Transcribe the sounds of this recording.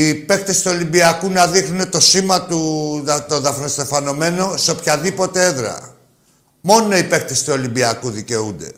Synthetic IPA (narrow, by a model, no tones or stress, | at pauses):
ipe̞kt̪est̪uo̞limbiɐkunɐðixnune̞t̪o̞simɐt̪ut̪oðɐfɾost̪efɐno̞me̞no̞seopçɐðipo̞t̪e̞eðɾɐ̰ | mo̞no̞ipe̞kt̪est̪uolimbiɐkuðice̞und̪e̞